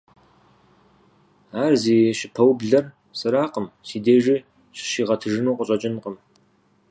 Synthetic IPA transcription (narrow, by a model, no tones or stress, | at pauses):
aːrziːɕɪpʰɐwbɮɐr | sɨɾaːqəmsiːdeːʒi | ɕɪ̥ʃiːʁɐtʰɨʒɨnuːqʷʼəɕʼɐt͡ʃʼɪnqʼəm